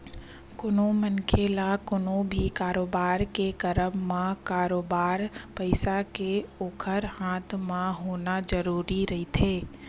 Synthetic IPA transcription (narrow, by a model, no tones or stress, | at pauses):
kʊnõmənkʰeːlakʊnõbʱikaːɾoːbaːɾkekəɾəmːãkaːɾoːbaːɾpəɪsakeoːkʰəɾhaːt̪ʰmãɦoːnad͡ʒəɾuːɾiɾɐɦit̪ʰeː